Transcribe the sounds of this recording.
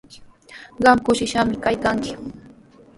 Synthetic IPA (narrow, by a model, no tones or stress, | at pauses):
ɢɑmkʊʃɪʃamɪkajkaŋkɪ̥